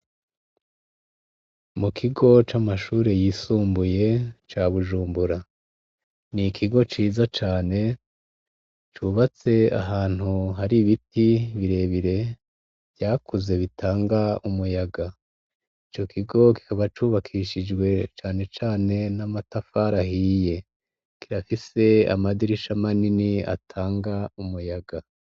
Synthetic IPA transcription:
mukʰiɡo̞t͡ʃamaʃuːɾe̞jiːsuːmbuje̞t͡ʃaβuʒuːmbuɾa | nikʰiɡo̞t͡ʃiːzat͡ʃaːne̞ | t͡ʃuβat͡se̞a̰ɦaːn̥huɦaɾiβitiβiɾe̞ːβiɾe̞ | βjaːkʰuze̞βitʰaːŋɡaumujaɡa | it͡ʃo̞kʰiɡo̞ki̥kaβat͡ʃuːβakʰiʃid͡ʒɡwe̞t͡ʃaːne̞t͡ʃaːne̞namatafaɾaɦije̞ | kiɾafise̞a̰madiɾiʃamaninia̰tʰaːŋɡaumujaɡa

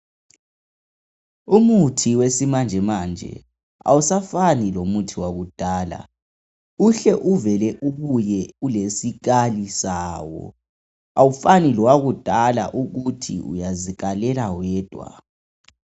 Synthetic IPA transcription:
umutʰiwesimand͡ʒʱɛmaːnd͡ʒʱɛ̰ | a̰wusafanilomutʰiwaɣud̥ʱaːla̰ | uɬɛʔuvɛlɛʔuβujɛulesiɣalisaːwɔ̰ | awufaniliwaɣud̥ʱala̰ʔuɣutʰḭṵjaziɣalɛlawɛːd̥ʱwa̰

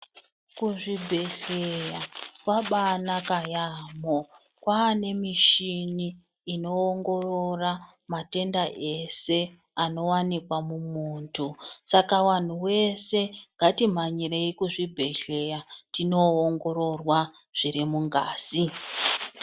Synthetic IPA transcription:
kuʐibʱe̞ɬejakwaɓanakajamo | kwaːne̞miʃiniː | no̞ːŋɡo̞ro̞ra | mate̞ndaʔe̞se̞ | ano̞wanikwamumuːntʰusakawan̤uwe̞se̞ŋɡatim̤aɲire̞ikuʐibʱe̞ɬe̞jatino̞ːŋɡo̞ɾo̞rwa | ʐ̥iɾimuŋɡaːz̥i

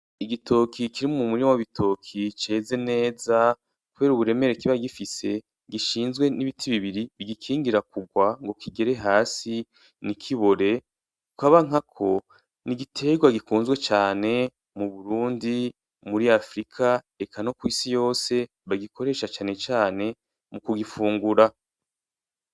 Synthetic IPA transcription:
iɡitʰo̞kʰikiɾimmumuɾiowaβitʰo̞kʰit͡ʃe̞ːze̞ne̞ːza | kuβe̞ːɾuβuɾe̞me̞ɾekiβaɡifise̞ | ɡiʃiːnzɡwe̞niβitʰiβiβiɾiβiɡikʰiːŋɡiɾakuɡwaŋɡo̞kiɡe̞ɾe̞ɦaːsi | nikʰiβo̞ɾe̞ | kukaβaŋ̥akʰo̞ | niɡitʰe̞ɡwaɡikuːnzɡwe̞t͡ʃaːne̞ | muβuɾuːndi | muɾiafɾikʰa | e̞kano̞kwiːsijo̞ːse̞ | βaɡikʰo̞ɾe̞ːʃat͡ʃaːne̞t͡ʃaːne̞ | mukuɡifuːŋɡuɾa

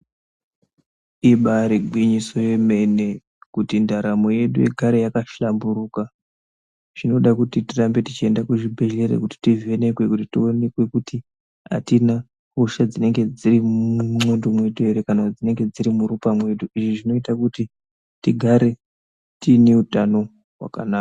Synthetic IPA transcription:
iɓaɾeɡʱwiɲiso̞je̞me̞ne̞ | kutindaɾamo̞je̞ɗṵjḛɡʱaɾejakaʃambuɾuːka | ʐ̥ino̞ɗakutitirambe̞tit͡ʃie̞ndakuʐibʱe̞ʒe̞ɾḛkuti̥tive̞ne̞kwe̞kutitio̞ne̞kwe̞kuti | a̰tina | huʃad͡zine̞ŋɡe̞d͡ziɾiuumwendomwe̞toeɾekanad͡zine̞ŋɡe̞d͡ziɾimuɾupamwe̞ɗuiʐiʐino̞itakuti | tiɡʱaɾe̞ | tineutano̞ | ɦwa̰kanaːka

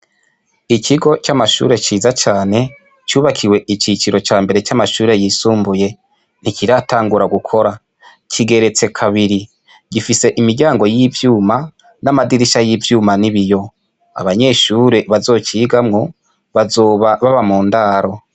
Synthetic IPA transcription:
ikʰiɡo̞t͡ʃamaʃṵːɾe̞t͡ʃiːzat͡ʃaːne̞ | t͡ʃuːβakʰiwe̞ʔit͡ʃit͡ʃiɾo̞t͡ʃaːmbe̞ɾe̞t͡ʃamaʃuːɾe̞jiːsuːmbuje̞ | nikiɾataːŋɡuɾaɡukʰo̞ɾa | kʰiɡe̞ɾe̞t͡se̞kʰaβiɾi | ɡ̥ifise̞ʔimiɾɟaːŋɡo̞jivjuːma | namadiɾiʃajivjuːmaniβijo̞ | a̰βaɲe̞ʃuːɾe̞βazo̞ːt͡ʃiːɡamŋo̞ | βazoβaβaβamuːndaːɾo̞

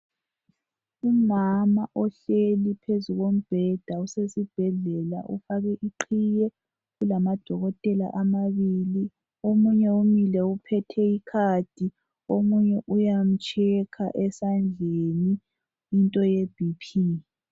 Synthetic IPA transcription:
umamaʔɔɬelipʰezuɣom̩b̥ʱɛd̥ʱausesib̥ʱɛɮɛla̰ʔṵfaɣɛʔiǃʰijɛ | ɣulamad̥ʱɔɣɔtʼɛla̰ʔamaβili | omuɲɛumilɛupʰɛtʰɛikʰad̥ʱi | omuɲɛʔujam̩t͡ʃʼʰɛkʰa̰ʔɛsand͡ɮʱeni | intʼɔjeb̥ʱipʰi

